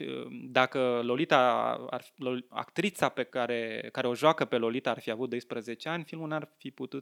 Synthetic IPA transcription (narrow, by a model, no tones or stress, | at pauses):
ə̰d̪akəlo̞lit̪a̰a̰rloa̰kt̪ɾit̪sape̞kaɾe̞kaɾe̞o̞ʒoakəpe̞lo̞lit̪aːrfiavut̪̚d̪o̞jspɾəze̞t͡ʃe̞anʲfilmulnarfiput̪ut̪